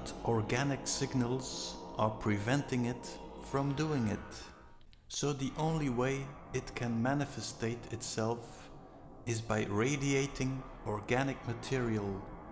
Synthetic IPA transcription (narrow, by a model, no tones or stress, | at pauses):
tʔɔɹɡænɨksɪɡnəl̩ˠz̥ʔə˞pʰɹ̥ɨvɛ̃ntɪ̃ŋɪtfɹʌ̃mduɪ̃ŋɪt | soʊðiʔõʊ̃nliweɪ | ɨt̚kʰɨ̃nmænɨfɨsteɪɾɨtsɛlˠf | ɨzbaɪɹeɪdieɪɾɪ̃ŋ | ɔɹɡænɨk̚mɨtʰɪɹiəlˠ